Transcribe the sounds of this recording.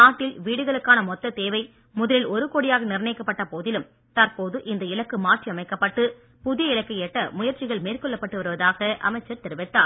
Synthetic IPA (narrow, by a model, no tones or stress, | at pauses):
naːʈːɪlʋiːɽɯɣɐɭɯkːaːnɐmɔt̪ːɐt̪eːʋɐɪ | mʊðɐlɪlɔɾɯkoːɽɪjaːɣɐnɪɾnɐɪkːɐpːɐʈːɐpoːðɪlɯm | t̪ɐɾpoːðɯʔɪnd̪ɐɪlɐkːɯmaːʈriɐmɐɪkːɐpːɐʈːɯ | pʊðɪjɐɪɭɐkːɐjeːʈːɐmʊjɐɾt͡ʃɪɣɐɭmeːrkɔɭːɐpːɐʈːɯʋɐɾɯʋɐðaːɣɐʔɐ̰mɐɪt͡ʃːɐɾt̪ɪɾɯʋɪt̪ːaːɾ